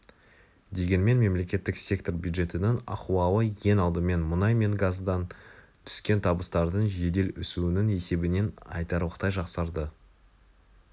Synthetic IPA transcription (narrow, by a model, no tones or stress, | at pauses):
d̪e̞ɡʲe̞nme̞nme̞mle̞kʲe̞t̪ːɪksʲe̞kt̪o̞ɾbjud̪ʒe̞t̪ɪnɪŋɑ̰quwɑwəje̞nɑlˠd̪əme̞nmʊnɑjme̞ŋɡazd̪ɑn | t̪ʰʏ̥skʲe̞nt̪ʰɑbəst̪ɑɾd̪əɴʒe̞d̪e̞lʏsuɪnɪŋe̞se̞bɪne̞nɑ̰jt̪ɑɾuəqt̪ɑjʒɑqsɑɾd̪ə